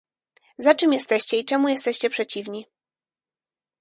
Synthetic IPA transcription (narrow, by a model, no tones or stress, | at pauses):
zat͡ʂɘmjɛst̪ɛɕt͡ɕɛit͡ʂɛmujɛst̪ɛɕt͡ɕɛpʂɛt͡ɕivɲi